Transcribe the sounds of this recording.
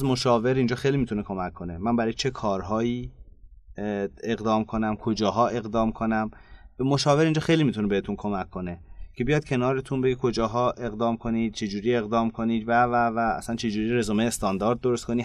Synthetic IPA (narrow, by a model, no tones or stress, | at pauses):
zmo̞ʃɒːve̞ɾind͡ʒɒːxejlimit̪ʰunekʰo̞mækʰːonemænbæɾɒːjt͡ʃʰe̞kʰɒːɾɦɒːiː | e̞ɣd̪ɒːmkʰo̞næmkʰo̞d͡ʒɒːɦɒːʔe̞ɣd̪ɒːmkʰo̞næmbemoʃɒːve̞ɾind͡ʒɒːxejlimit̪ʰunebehet̪ʰunkʰo̞mækʰːo̞necʰe̞bijɒːd̪̥̚cʰe̞nɒːɾet̪ʰunbeɡekʰo̞d͡ʒɒːɦɒːʔe̞ɣd̪ɒːmkʰo̞niːd̪̥̚t͡ʃʰe̞d͡ʒuːɾiːe̞ɣd̪ɒːmkʰo̞niːd̪vævævæ̰ːsænt͡ʃʰe̞d͡ʒuːɾiɾezomejest̪ɒnd̪ɒːɾd̪̚ːoɾost̪ko̞niː